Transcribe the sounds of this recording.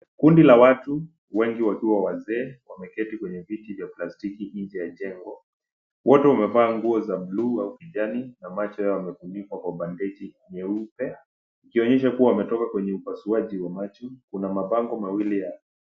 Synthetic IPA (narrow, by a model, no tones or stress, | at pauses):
kundilawatu | wɛŋɡiwakiwawazɛːwamɛkɛtikwɛɲɛvitivjaplastikiɲd͡ʒɛjaʄɛŋɡɔ | wɔtɛwamɛvaːŋɡuɔzabluːaukiʄaninamat͡ʃɔjajawamɛkumikwakwaɓandɛt͡ʃi | ɲɛupɛ | ikiɔɲɛʃakuwawamɛtɔkakwɛɲɛupasuaʄiwamat͡ʃɔkunamaɓaŋɡɔmawilija